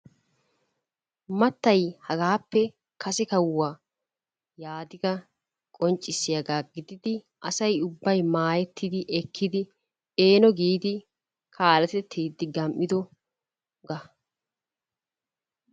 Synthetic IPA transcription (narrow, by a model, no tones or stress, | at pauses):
mɐt̪ːɐjhɐɡaːpːɛ | kʰɐsɛkɐwːaː | jaːd̪ɪɡɐ | kʼɔnt͡ʃʼːɪsːɪjɐɡaːɡɪd̪ɪd̪ɪ | ʔɐsɐjʊbːɐjmaːjɛt̪ʰːɪd̪ɪʔɛkʰːɪd̪ɪ | eːnɔɡiːd̪ɪ | kʰaːlɐt̪ɛt̪ʰːiːd̪ːɪɡɐmʔːɪd̪ɔ | ɡɐ